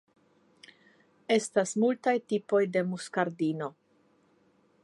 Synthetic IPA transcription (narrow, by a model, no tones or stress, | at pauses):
e̞stasmultajtipo̞jde̞muskaɾdino̞